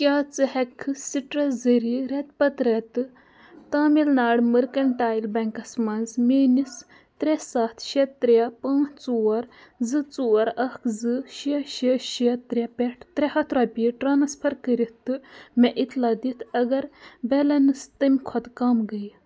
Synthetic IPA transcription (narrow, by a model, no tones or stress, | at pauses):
kʲaːt͡sɨhɛkʰːɨsiʈɾɐzəɾiɾɛt̪pɐt̪ɾɛt̪ɨ | t̪aːmilnaːɽmɐɾkɐɳʈaːjlbɐŋkɐsmɐnzmeːnis | t̪ɾesaːt̪ʰʃet̪ːɾʲjapãːt͡suwɐɾzɨt͡suwɐɾɐkʰzɨʃɐʃiʃit̪ːɾʲjapʲɛʈʰt̪ɾɛhɐt̪ʰɾaːpʲiʈɾaːnɐspʰɐɾkəɾʲit̪ɨmɛʔit̪ʰlad̪it̪ʰɐɡɐɾbɛlɐnɨst̪ɐmʲkʰɔt̪kaːmɡɐj